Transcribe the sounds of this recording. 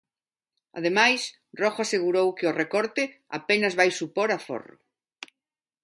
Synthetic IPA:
a̰ðemajs | rɔxoaseɣuɾowkɪʊrekɔɾt̪ɪ | a̰penɐzβajsupoɾafo̰rʊ̰

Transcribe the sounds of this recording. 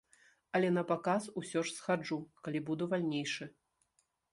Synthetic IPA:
ɐlʲɛn̪ɐpakasusʲɔʂsxad͡ʐukalʲibud̪uvalʲnʲejʂɨ

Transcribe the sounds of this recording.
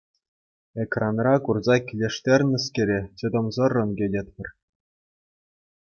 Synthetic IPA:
ekrɑnrɑkurzɑkʲilʲeʂtʲerʲnʲɘ̆skʲĕɾʲet͡ɕɤ̆d̪ɤ̆mzɤ̆rːɤ̆nɡʲedʲĕt̪̚ʲpʲɘ̆r

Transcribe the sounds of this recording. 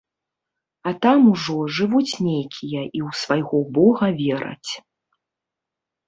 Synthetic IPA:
ɐt̪amuʐɔʐɨvut͡sʲnʲejkʲʰijɐʔiwsvajɣɔbɔɣɐvʲɛɾɐ̰t͡sʲ

